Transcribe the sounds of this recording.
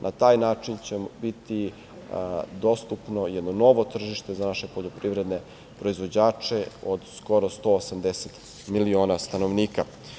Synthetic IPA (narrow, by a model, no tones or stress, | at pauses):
nʔat̪aːjnaːt͡ʂint͡ɕebit̪i | d̪o̞st̪upno̞jɛd̪nono̞ʋo̞t̪r̩ʒiʃt̪e̞zanaʃe̞po̞ʎopɾiʋɾe̞d̪ne̞ | pɾo̞izʋo̞d͡ʑaːt͡ʃe̞od̪sko̞ɾo̞st̪o̞ːsamd̪eset̪ | milio̞ːnast̪ano̞ʋniːka